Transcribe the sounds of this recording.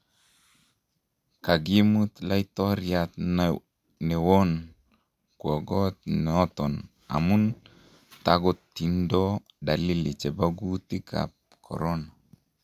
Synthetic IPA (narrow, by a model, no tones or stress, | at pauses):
kaɡimut̪lajt̪ɔɾjat̪n | nɛwɔn | kɔɡɔt̪̚nɔt̪ɔn | a̰mun | t̪aɡɔtːindɔ | dalilit͡ʃɛbaɡut̪ika̰p̚ | kʰɔ̰ɾɔna